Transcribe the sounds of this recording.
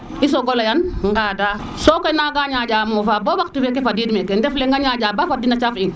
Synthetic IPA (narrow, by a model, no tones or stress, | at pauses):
is̬oɡolajanŋɡaːdaː | sokɔjnaɡaɲaɟaːmoːfaːbobaktifɛkefadiːdmɛkɛndɛfleŋɡaɲaɟaːbafadinat͡ʃafiŋ